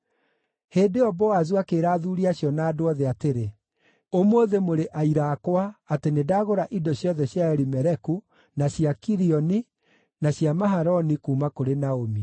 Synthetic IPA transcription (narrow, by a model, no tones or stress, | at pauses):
heːdeɔbɔwazwakeɾaːðuɾiaɕjɔnaːdoɔðeateɾe | omoːðemoɾeʔaiɾaːkwaːtenedaːɣoɾaʔidɔɕjɔðɛɕjaɛɾimɛɾɛku | naɕjakiɾiɔni | naɕjamaɦaɾɔnikuːmakoɾenaomi